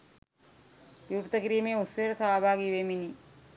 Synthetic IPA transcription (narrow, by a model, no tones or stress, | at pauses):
juːʈt̪ɐkiɾijmeːusʋeːɾt̪ʰaaːbʱaːɡiʋemini